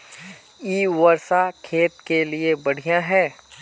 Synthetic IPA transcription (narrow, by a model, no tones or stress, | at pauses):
iːʋəɾsakʰeːt̪keliebɐɽ̤ijãɦɛː